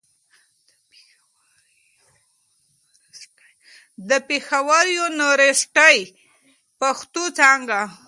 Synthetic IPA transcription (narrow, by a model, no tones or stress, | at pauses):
d̪əpexawaɾjonoɾesʈaj | paxt̪ot͡sɑŋɡa